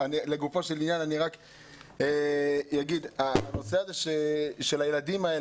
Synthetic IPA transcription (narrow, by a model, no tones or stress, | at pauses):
anileɡufo̞ʃelinjananiʁak | ejaɡid̪ano̞seazeʃeʃelajeladimae